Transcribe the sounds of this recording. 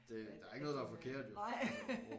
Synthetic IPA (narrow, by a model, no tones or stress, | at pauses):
d̥e̝d̥ɑ̈æɐe̝ɡənɔðˠd̥ɑæɐfɒkʰe̝ɐ̰d̥jon